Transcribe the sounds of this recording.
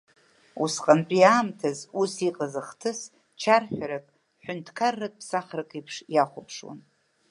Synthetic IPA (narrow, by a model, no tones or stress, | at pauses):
usqʼanpʼijaːmtʰazusiqʼazɨχtʰɨs | t͡ʃʰarħʷᶣaɾakʼ | ħʷᶣʊntʰkʰarːakʼpʰsaχrɨkʼipʰʂjaχʷʊpʰʂwa̰n